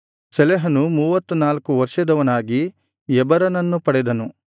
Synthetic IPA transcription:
sɛlɛɦɐnumuːʋɐt̪ːunaːlkuʋɐɾʂɐd̪ɐʋɐnaːɡi | ɛbɐɾɐnɐnːupɐɽɛd̪ɐnu

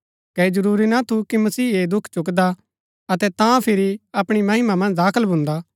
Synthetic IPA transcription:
kɛid͡ʒɐɾuːɾinat̪ʰukimɐsiːeːd̪ʊkʰt͡ʃʊk̬d̪a | ɐt̪ɛt̪ãpʰɪɾiɐpɽ̃imɐɦɪmamɐ̃nd͡ʒd̪aːkʰəlbʱʊ̃nd̪a

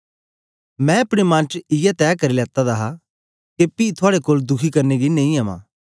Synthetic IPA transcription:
mɛ̃ɐpɽ̃emãːnt͡ʃɪjat̪ɛːkɐɾilɛːt̪ad̪aɦa | kepiːt̪ʰʊaːɽekoːld̪ʊkʰikɐɾneɡinɐ̃ːĩɐːmã̰ː

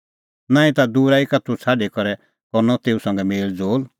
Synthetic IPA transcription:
nãːĩt̪ad̪uːɾaikɐt̪ʰːut͡sʰaːɖikɔɾɛ | kɔɾnɔt̪eːusɐ̃ŋ̆ɡɛmeːld͡zoːl

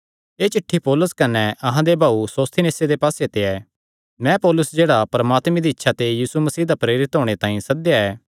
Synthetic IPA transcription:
eːt͡ʃɪʈʰːipoːlʊskɐnɛʔɐɦãd̪ebʱaːusoːst̪ʰineːsed̪epaːset̪eɛː | mɛ̃pɔːlʊsd͡ʒeːɽapɐɾɐmaːt̪mẽd̪iɪtːʃʰat̪ejiːsumɐsiːd̪apɾeːɾɪt̪ɦoːɽ̃et̪ãːĩsɐd̪jaɛː

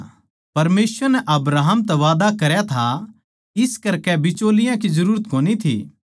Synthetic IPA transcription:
pɐɾmeːsʋəɾnɛʔɐbɾaːɦəmt̪ɛʋaːd̪akɐɾjat̪ʰa | ɪskɐɾkɛbɪt͡ʃoːlɪjãkizɐɾuːɾət̪koːnit̪ʰḭː

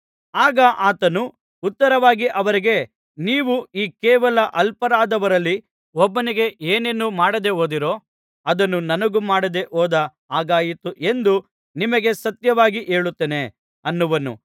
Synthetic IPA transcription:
aːɡɐʔaːt̪ɐnu | ut̪ːɐɾɐʋaːɡiʔɐʋɐɾiɡe̞ | niːʋuiːkeːʋɐlɐʔɐlpɐɾaːd̪ɐʋɐɾɐlːi | ɔbːɐniɡe̞ʔeːne̞nːumaːɽɐd̪e̞ɦoːd̪iɾo̞ː | ɐd̪ɐnːunɐnɐɡumaːɽɐd̪e̞ʔoːd̪ɐ | aːɡaːjit̪uʔe̞nd̪u | nimɐɡe̞sɐt̪jɐʋaːɡiʔe̞ːɭut̪ːene̞ | ɐnːuʋɐnṵ

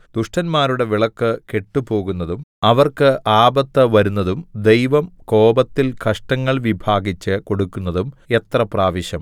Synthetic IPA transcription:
d̪uʂʈɐnmaːɾuɽe̞ʋiɭɐkːɨke̞ʈːupo̞ːɣunːɐðumɐʋɐrkɨʔaːbɐt̪ːɐʋɐɾunːɐðumd̪e̞jʋɐmko̞ːbɐt̪ːilkɐʂʈɐŋːɐɭʋibʱaːɡit͡ɕːɨko̞ɽukːunːɐðume̞t̪rɐpraːʋiɕjɐm

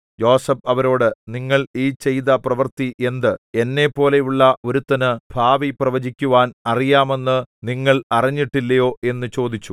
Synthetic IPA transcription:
jo̞ːsɐbɐʋɐɾo̞ːɽɨniŋːɐɭiːt͡ɕe̞jðɐprɐʋɐrt̪iʔe̞nd̪ɨe̞nːe̞pːo̞ːle̞juɭːɐo̞ɾut̪ːɐnɨb̥ʱaːʋiprɐʋɐd͡ʑikʲːuʋaːnɐrijaːme̞nːɨniŋːɐɭɐriɲːiʈːilːɐjo̞ːʔe̞nːɨt͡ɕo̞ːd̪it͡ɕːu

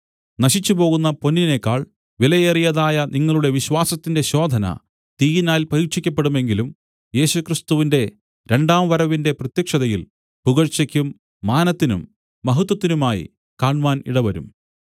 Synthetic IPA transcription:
nɐɕit͡ɕːupo̞ːɣunːɐpo̞nːine̞kːaːɭ | ʋilɐjerijɐðaːjɐniŋːɐɭuɽe̞ʋiɕwaːsɐt̪ːinde̞ɕo̞ːd̪ʱɐnɐ̰ | t̪iːjinaːlpɐɾiʂikʲːɐp̬ːeɽume̞ŋɡilum | je̞ːɕukrist̪uʋinde̞ | ɾe̞ɳɖaːmʋɐɾɐʋinde̞prɐt̪jɐkʂɐðɐjil | puɣɐɻt͡ɕɐkʲːumː | aːnɐt̪ːinṵmː | ɐɦut̪ːwɐt̪ːinumaːjḭ | kaːɳʋaːnḭɽɐʋɐɾṵm

